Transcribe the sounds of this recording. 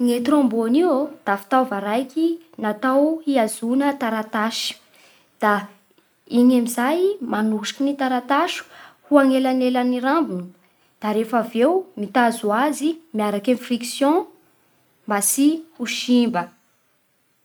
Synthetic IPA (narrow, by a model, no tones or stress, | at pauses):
ŋet̪ɾɔ̃mboniod̪̥afi̥t̪awvaɾajki | nat̪awiazunət̪aɾat̪aʃi̥ | d̪̥a | iɲamizajmanuʃi̥kinit̪aɾat̪aʃu̥huaŋelanelaniɾambini | d̪̥aɾefavewmit̪azuazimiaɾakẽnfriksjɔ̃ | mbasihuʃimbə